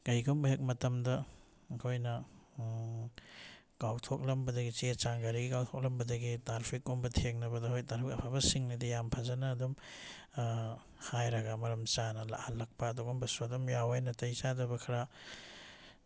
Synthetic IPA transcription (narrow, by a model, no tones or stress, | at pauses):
kɐjɡombɐɦek̚mɐtɐmdɐː | kʰojnɐ | kawtʰok̚lɐmbɐdɐɡit͡ʃet͡ʃaŋɡaɾiɡikawtʰok̚lɐmbɐdɐɡitaɾpʰikːombɐtʰeŋnɐbɐdɐhojtaɾpʰikɐpʰabɐsiŋnidijampʰazɐnɐːdum | hajɾɐɡamɐɾɐmt͡ʃanɐla̰halːɐk̚pɐːduɡombɐsuɐdumjawajnɐtɐjt͡ʃadɐbɐkʰɐɾa